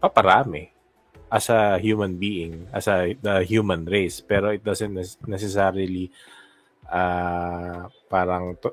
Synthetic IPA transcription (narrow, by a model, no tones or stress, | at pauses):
pɐpɐɾaːmɪ | ʔɐsɐhjumɐ̃nbiːʔɪŋɐsɐd̪ɐhjuːmɐnɹejspɛɾoɪt̪̚d̪ɐsɛnt̪̚ːɛnɛsɛsaːɾɪli | ʔa | paːɾɐŋt̪